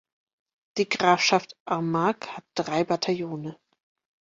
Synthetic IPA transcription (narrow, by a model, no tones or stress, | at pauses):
d̥iːɡʁaːfʃaftʔamakhat̚d̥ʁaɪbatʰajoːnə